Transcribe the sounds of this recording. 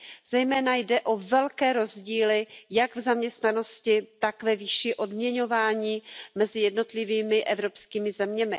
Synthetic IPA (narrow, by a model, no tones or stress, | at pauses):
z̥ɛjmɛːnajdɛʔo̞vɛlkɛːɾo̞zɟiːlɪjaɡvzamɲɛst̪nano̞scɪt̪akvɛviːʃiʔo̞dmɲɛɲo̞vaːɲiːmɛzɪjɛdno̞t̪lɪviːmɪʔɛvɾo̞pskiːmɪzɛmɲɛmɪ